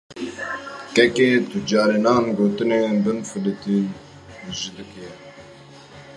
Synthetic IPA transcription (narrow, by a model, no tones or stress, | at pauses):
kɛkeːt̪ʊd͡ʒɑːɾenɑːnɡoːt̪ɨneːb̪ɨnfɨlɨt̪i | ʒɨd̪ɨkjɛ